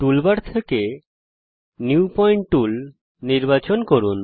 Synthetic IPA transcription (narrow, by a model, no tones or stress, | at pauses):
ʈulbaɾt̪ʰeke | njupɔjɳʈʈul | niɾbat͡ɕonkoɾun